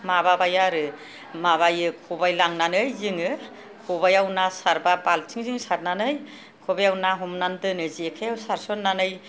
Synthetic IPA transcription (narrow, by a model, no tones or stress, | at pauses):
mababajaɾɯ | maβajɯkʰɔbajlaŋnanɯjzɯŋɯ | kʰɔbajawnasaɾbabalt͡ʃʰiŋziŋsaɾnanɯj | kʰɔbajawnaɦɔmnandɯnɯziekʰejawsaɾsɔnːanɯj